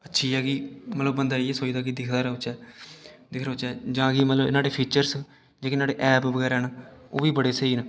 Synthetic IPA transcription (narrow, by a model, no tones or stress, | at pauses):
ətːʃʰiːɛːɡiːmət̪ləbːənd̪aːiːɛːsoːid̪aːkid̪ɪkʰd̪aːɾʊt͡ʃɛːd̪ɪkʰɾʊt͡ʃɛːd͡ʒãːɡiːmət̪ləbɪ̰naːɽeːpʰiːt͡ʃəɾs | d͡ʒeːkːnaːɽeːʔɛːpʋəɡɛːɾɛːnaːoːʋiːbəɽeːsəiːnaː